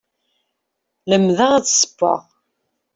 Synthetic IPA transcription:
ləmðəʁæt͡sːsə̥pːɑ̰ʁ

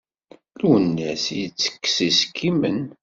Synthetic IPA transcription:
lunːæsjət͡sːə̥kːsiskʰːimən

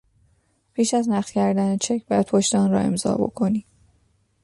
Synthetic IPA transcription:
pʰiːʃæznæʁt̪kʲcʰæɾd̪ænet͡ʃʰecʰbæd̪̚pʰoʃt̪eɒnɾɒ̰ːe̞mzɒ̰ːbo̞̰kʰo̞niː

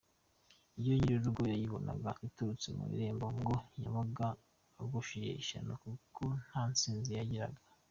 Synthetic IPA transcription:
iβjoɲiɾiɾuɾɡojajiβo̞na̰ɡaʔituɾut͡semṵɾḭɾe̞ːmboŋɡo̞ɲaβaɡaː | ɡuʃije̞̰iʃa̰nokukʰon̥hant͡siːnzijaɟiɾa̰ɡa

